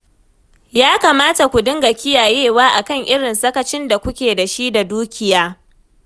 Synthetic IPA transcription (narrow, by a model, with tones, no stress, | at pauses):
jaː˦kaː˨maː˦ta˨kʷu˨dɪ˦ŋɡa˨kʲɪ˦jaː˨jeː˦˨waː˦ʔa˨kɐ˦˨ŋʔɪ˦ɽɪ˨nsɐ˦kɐ˨t͡ʃɪ˦nda˨kʷʊ˦kʲeː˨da˨ʃi˦da˨duː˦kʲɪ˦˨jaː˦